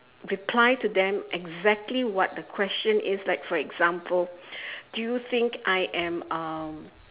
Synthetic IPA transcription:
ɹipʰlajtudɛ̃mʔɛɡzɛk̚tʰliwɔt̚dəkʰwɛst͡ʃə̃nʔɪslaɪkfɔɹɛɡz̥ãmpʰəld̥ujuθɪ̃ŋkajʔɛ̃mʌm

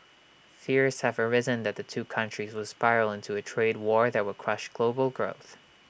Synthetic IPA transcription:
fɪɹz̥hɨvə˞ɪzɨ̃nðɨt̪̚ðɨtʰʉkʰʌ̃nt͡ʃɹ̥izwʌ̥spaɪɹl̩ˠɪ̃ntʰuɨtʰɹ̥eɪd̚wɔɹðɨt̚wəd̚kʰɹ̥ʌʃɡ̥loʊbl̩ˠɡɹoʊθ

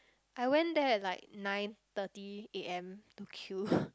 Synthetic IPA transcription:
ʔaɪwɛ̃ndɛɛt̚laɪk̚nãɪ̃nt̪ətieɛ̃mtukʰju

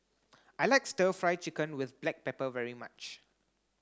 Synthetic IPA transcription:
ʔajlaɪkstəfɹaɪt͡ʃɪkə̃nwɪθblɛk̚pɛpəvɛɹima̰t͡ʃ

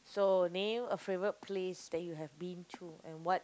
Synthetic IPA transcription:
sonẽməfɹevɹət̚pʰlesdɛt̚juɦɛvbĩntʰuɛ̰̃nwɔt̚

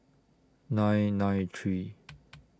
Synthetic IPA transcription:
nãɪnãɪ̃tʰɹi

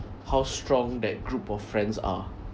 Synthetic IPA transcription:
hawstɹɔ̃ŋdɛt̚ɡɹupɔffɹɛ̃nsa̰

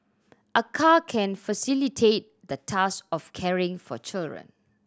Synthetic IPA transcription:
ʔəkʰakʰɛ̃nfasilitʰet̚ | d̪ətʰaskɔfkʰɛɹɪ̃ŋfɔ̰t͡ʃildɹə̰̃n

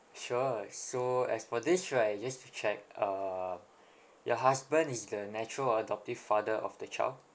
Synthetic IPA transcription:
ʃusoɛ̰sfɔdistɹajd͡ʒastut͡ʃɛk̚ʌ | jɔɦasbə̃nisdənɛt͡ʃɹələdɔp̚tiv̥fadəʔɔ̰fdət͡ʃa̰jld

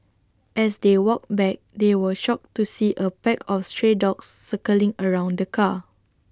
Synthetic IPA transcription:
ʔɛsdewɔk̚bɛk̚dewəʃɔk̚tusiʔəpɛkʰɔfstɹedɔksːəkəlĩŋəɹãw̃ndəkʰa

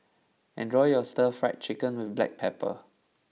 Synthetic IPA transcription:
ʔɛ̰̃ndɹɔjɔstəfɹa̰ɪt̚t͡ʃɪkə̃nwɪθblɛ̰k̚pʰɛpə̰

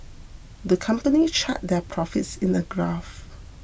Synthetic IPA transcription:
dəkʰãmpənit͡ʃʰa̰t̚dɛpʰɹɔfɪtsɪ̃nəɡɹaf

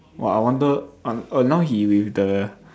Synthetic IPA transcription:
wɛ̰lajwɔ̃ndəonaʊɦiwifdə

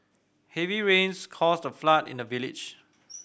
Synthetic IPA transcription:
hɛviɹẽnskʰɔsdəflatɪ̰̃ndəvilḭd͡ʒ

